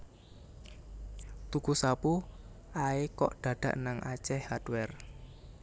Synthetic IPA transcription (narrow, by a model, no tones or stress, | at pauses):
t̪ukusapu | aekɔʔɖ̪̥ä̤ɖ̥ä̤ʔnaŋʔat͡ʃɛhadwɛr